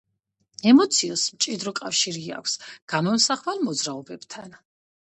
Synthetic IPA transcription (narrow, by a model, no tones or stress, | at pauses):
ɛmɔt̪sʰiɔsmt͡ʃʼid̪ɾɔkʼafʃiɾia̰kʷʰsɡ̥amɔmsaχvalmɔd̪zɾaɔbɛbt̪ʰan